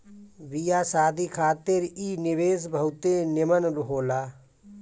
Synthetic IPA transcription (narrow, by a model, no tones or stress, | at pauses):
bijaːsaːd̪ʱikʰaːt̪ɪɾiːnɪʋeːsbʱəwt̪enɪmənɾɦoːlaː